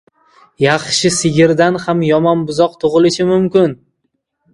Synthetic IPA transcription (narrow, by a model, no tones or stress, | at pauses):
jɑχʃɪsɪɡʲɪɾd̪anhamjɒmɒnbʊzɒq̚t̪ʰʊʁɨlɪʃɪmʊmkʲɪn